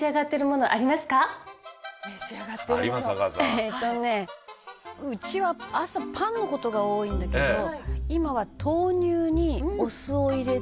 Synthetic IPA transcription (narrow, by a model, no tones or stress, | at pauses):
iaɡat̪ːe̞ɾɯ̟mo̞no̞ʔa̰ɾʲimasɨ̥ka | meɕiaɡat̪ːeɾɯɾimasɡazet̪ːo̞ne̞ | ɯ̟t͡ɕiβaasapʰãnːo̞ko̞t̪o̞ɡao̞ːĩnd̪ake̞d̪o̞imaβat̪ʰo̞ːɲ̟ʲɨːɲ̟io̞sɨo̞iɾe̞